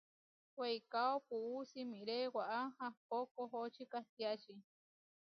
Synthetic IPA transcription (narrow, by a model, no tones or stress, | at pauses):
wejkaopuusimiɾewaʔahahp̚okoɦot͡ʃikaht̪iat͡ʃi